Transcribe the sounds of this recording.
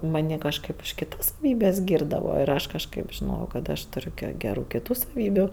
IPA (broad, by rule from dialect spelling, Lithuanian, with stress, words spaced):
mɐˈnʲiː kɐʃˈkɐɪp ʊʃ kʲɪˈtɐs sɐˈʋʲiːbʲɛs ˈɡʲiːrdɐʋoː ɪr ˈɐʃ kɐʃˈkɐɪp ʒʲɪˈnoːjɛʊ kɐt ˈɑːʃtʊˈrʲʊ ɡʲɛ ɡʲɛˈruː kʲɪˈtuː sɐˈʋʲiːbʲʊ